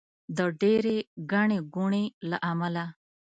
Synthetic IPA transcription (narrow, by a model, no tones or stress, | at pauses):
d̪əɖeɾeɡaɳeɡuɳelaʔamala